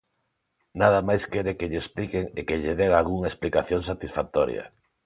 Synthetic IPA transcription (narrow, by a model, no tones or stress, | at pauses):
nað̞ɐmajskeɾekeʎeesplikeŋekeʎɪðeɣalɣuŋaesplikaθjoŋsat̪isfak̚t̪ɔɾj̰ɐ̰